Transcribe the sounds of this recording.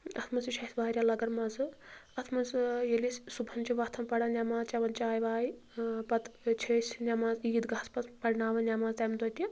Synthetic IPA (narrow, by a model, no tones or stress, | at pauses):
ɐ̰t̪ʰmɐsiʃʰɐsʋaːɾʲjalɐɡɐɾmɐzɨɐt̪ʰmɐzjelisʲsubʱɐnt͡ʃiʋɐt̪ʰɐmpɐɽanʲamaːzt͡ʃɐʋɐnt͡ʃaːjʋaːj | pɐt̪t͡ʃʰesʲnʲamaːziːd̪ɡaːspɐtpɐɽnaːʋɐnʲamaːzt̪ɐmd̪ot̪ʲi